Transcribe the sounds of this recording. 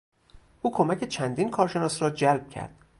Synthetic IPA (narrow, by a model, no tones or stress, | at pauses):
ʔuːkʰomæcʲe̞t͡ʃʰænd̪iːnkʰɒːɾʃe̞nɒːsrɒːd͡ʒælb̥̚cʰæ̰ɾd̪̥̚